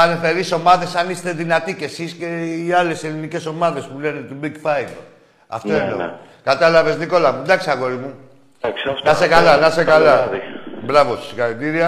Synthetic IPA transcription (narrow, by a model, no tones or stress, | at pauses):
ɐnefeɾiso̞maðe̞sɐnist̪eðinɐt̪ice̞sisce̞iale̞selinice̞so̞mɐðe̞spule̞ne̞t̪ubiɡfɐjl | ɐ̰ft̪oeno̰kat̪ɐlɐve̞zniko̞lɐmnd̪ɐksiaɣo̞ɾimu | knasekalɐnɐsekalɐbɾɐvossi̥xɐlit̪iɾiɐ